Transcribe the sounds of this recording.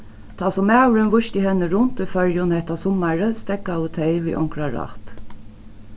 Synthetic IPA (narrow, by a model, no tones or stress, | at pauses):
t̪ʰɑːsɔmæwɾənʋʊʃt̪ihɛnːəɾʊnt̪ɔfœɾjʊnhɛht̪asɔmaɹəst̪ɛkːaʊt̪ʰɛɪʋḭːʔɔ̰ŋkɾaɾɑ̰ht̪